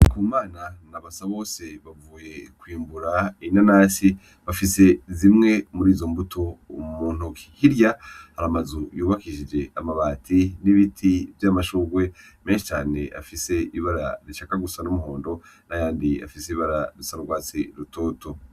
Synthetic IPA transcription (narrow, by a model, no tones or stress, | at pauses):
kuːmaːnanaβasaβo̞ːse̞βavuːje̞kwiːmbuɾainanaːsi | βafise̞zimŋe̞muɾiːzo̞mbutʰo̞muːn̥ukʰi̥hiɾjahaɾamazujuːβakiʃid͡ʒe̞amaβaːtʰiniβitʰivjaːmaʃuːɡwe̞me̞ːnʃi̥t͡ʃaːne̞̰ʔa̰fise̞iβaɾa̰ɾiʃakaɡusanumuɦo̞ːndo̞najaːndia̰fiseiβaɾaɾisaɾuɡwaːt͡siɾuto̞ːto̞